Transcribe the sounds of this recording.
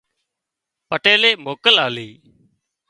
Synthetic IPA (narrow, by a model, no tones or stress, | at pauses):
pəʈeːleːmoːkəlaːliː